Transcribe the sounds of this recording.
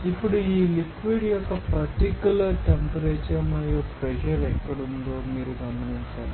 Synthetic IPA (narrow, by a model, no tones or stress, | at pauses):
ipːuɽuiːlikʋiɖijɔkːɐpɐɾʈikjulɐɾʈempɐɾeːt͡ʃɐmɐɾjopɾɛʃɐɾekːɐɽund̪oːmiːɾuɡɐmɐniɲt͡ʃa̰ːɾu